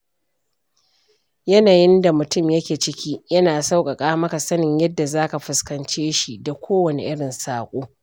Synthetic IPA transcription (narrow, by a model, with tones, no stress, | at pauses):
jɐ˦naː˨jɪ˦nda˨mʊ˨tʊ˦˨mjɐ˦kʲeː˨t͡ʃɪ˦kʲiː˦jɐ˦naː˨sa˦wkʼɐ˨kʼaː˦mɐ˦ka˨sɐ˦nɪ˨ɲjɐ˦dːa˨zaː˦ka˨ɸʊ˨˦skɐ˨nt͡ʃeː˦ʃi˨da˨kʷoː˦wɐ˨nḛ˨ʔɪ˦ɽɪ˨nsaː˨kʷʼoː˦